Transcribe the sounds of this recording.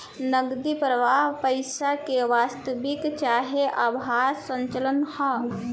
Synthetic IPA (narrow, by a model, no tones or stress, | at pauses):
nəɡd̪ipɾəʋaːɦpəɪsakeʋaːst̪əʋɪkt͡ʃaːɦeʔabaːɾsə̃ɲt͡ʃələnhɔ